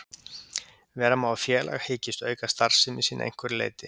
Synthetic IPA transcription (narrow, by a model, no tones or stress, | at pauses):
vɛːɾamaafjɛːlʔa̰ɣheːcɪst̪œ̰ːɥkast̪aɾ̥sɪmisiːnʔḛjŋ̥kʰvʏɾɪlḛːjt̪ɪ